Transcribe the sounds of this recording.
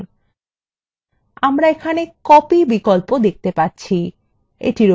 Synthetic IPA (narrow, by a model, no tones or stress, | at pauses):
amɾaekʰanekɔpibikolpod̪ek̚t̪epaɾːt͡ɕʰi | ḛʈiɾo